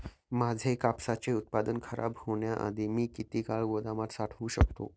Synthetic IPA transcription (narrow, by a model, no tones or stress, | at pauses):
mad͡zʱekapsat͡seut̪̚pad̪ənkʰəɾʔa̰bhoɳjaʔa̰d̪ʱimiːkit̪iːkaɭɡod̪amat̪saʈʰʋũɕəkt̪o̰